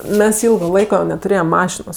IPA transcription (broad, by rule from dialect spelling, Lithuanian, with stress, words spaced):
ˈmʲɛs ˈɪlˠɡoː ˈlˠɐɪkoː nʲɛtʊˈrʲeːjɛm ˈmɑːʃʲɪnoːs